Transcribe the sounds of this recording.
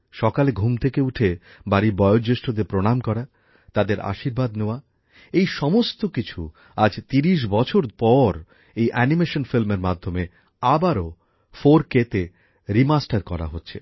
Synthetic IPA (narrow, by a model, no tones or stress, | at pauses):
ʃɔkaleɡʱumt̪ʰekeuʈʰe | baɾibɔjod͡ʑeʃʈod̪epɾoɽ̃amkɔɾa | t̪ad̪eɾʔa̰ʃiɾbad̪neoa | ejʃɔmost̪okit͡ɕʰu | ad͡ʑt̪iɾiʃ̬bɔt͡ɕʰoɾpɔɾ | ejʔɛnimeʃonfilmeɾmad̪ʱːome | abaɾo | foɾket̪e | ɾimasʈaɾkɔ̰ɾa̰ɦotːɕʰe